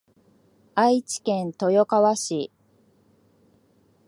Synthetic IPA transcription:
ait͡ɕi̥kẽ̞nt̪o̞jo̞kaβaɕi

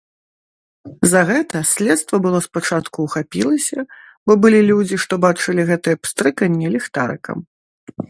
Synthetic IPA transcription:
zɐɣɛt̪ɐsʲlʲɛt̪st̪vɐbɨlˠɔspat͡ʂat̪kuːxapʲilˠɐsʲɐ | bɔbɨlʲilʲud͡zʲiʂt̪ɔbat͡ʂɨlʲiɣɛt̪ɨjɛpst̪ɾɨkɐnʲːilʲɛxt̪aɾɨ̰kɐ̰m

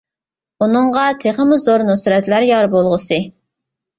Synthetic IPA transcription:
unɨɴʁɑt̪ʰeχəmuzd̪oɾnʊsyɾɛt̪læɾjɑɾbolˠʁəsɨ

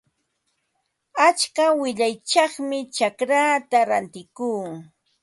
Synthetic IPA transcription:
at͡ʃkawɪʎajt͡ʃɑχmɪt͡ʃakɾaːt̪aɾant̪ɪkuː

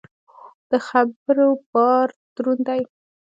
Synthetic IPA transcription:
d̪̥əxabɾopɑɾt̪ɾund̪aj

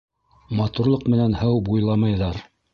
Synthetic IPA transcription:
mɑt̪uɾlˠɤqmɘ̆nænhɤwbujlˠɑmɑjðɑɾ

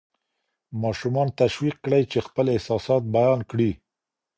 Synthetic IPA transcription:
mɑʃumɑnt̪aʃwiq̚kɽəjt͡ʃexpəlɪhsɑsɑt̪̚bajɑnkɽi

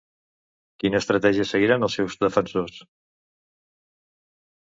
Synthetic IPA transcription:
kinəːst̪ɾət̪ɛʒiəsəɣiɾanəlˠsɛwzðəfənsos

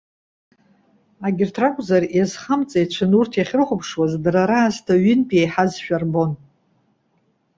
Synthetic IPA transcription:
aɡʲɪrtʰrakʷʼzarjazχamt͡sʼajt͡ʃʷʰanurtʰjaχʲɪrχʷʊpʰʂwazdraɾaːztʰaɥɪnpʼiejħazʃᶣarbo̞n

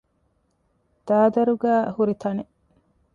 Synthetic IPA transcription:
d̪̥aːd̪ɐɾuɡæːhuɾit̪ʰɐne

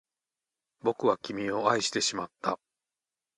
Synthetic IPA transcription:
bo̞kɯ̟βakʲimʲio̞aiɕi̥t̪e̞ɕimat̪ːa

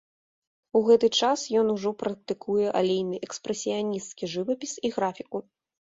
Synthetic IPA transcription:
uɣɛt̪ɨt͡ʂasjɔnuʐɔpɾɐk̚t̪ɨkʰujɛʔalʲejnɨʔɛkspɾɛsʲijanʲist̪kʲiʐɨvɐpʲisiɣɾafʲiku

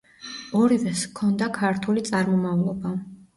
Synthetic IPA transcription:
ɔɾivɛskʰɔnd̪akʰaɾt̪ʰulit̪sʼaɾmɔmavlˠɔba

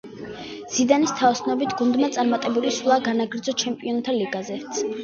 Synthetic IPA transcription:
z̥id̪anist̪ʰavsnɔbit̪ʰɡ̥und̪mat̪sʼaɾmat̪ʼɛbulislˠaɡanaɡɾd̪zɔt͡ʃʰɛmpʼiɔnt̪ʰaliɡazɛt̪sʰ

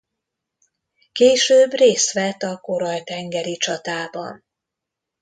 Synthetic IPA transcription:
keːʃøːbreːst̪ʋɛt̪ːɒko̞ɾɒjt̪ɛŋɡɛɾit͡ʃɒt̪aːbɒ̰n

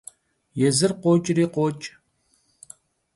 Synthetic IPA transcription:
jɛzɨrqʷoːt͡ʃʼriːqʷoːt͡ʃʼ

